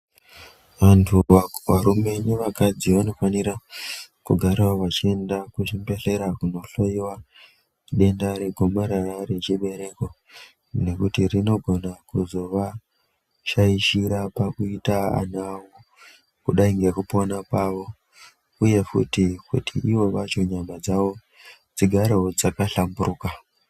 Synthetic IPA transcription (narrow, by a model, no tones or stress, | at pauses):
ʋantʰuaʋaɾume̞niʋakad͡ziʋano̞faniɾakuɡʱaɾawawat͡ʃie̞ndakuʃimbe̞ɬe̞ɾakuno̞ɬojiwa | ɗe̞ndaɾe̞ɡʱomaɾare̞t͡ʃiɓe̞ɾe̞ko̞ | ne̞kutirino̞ɡʱo̞nakuzo̞ʋa | ʃaiʃiɾapakuitaa̰nawo | kuɗaiŋɡekupo̞napaʋo̞ | uje̞fṵtikṵtʰḭʔiʋo̞ʋat͡ʃo̞ɲamad͡zaʋo̞ | d͡ziɡʱaɾeod͡zakaɬamburuːka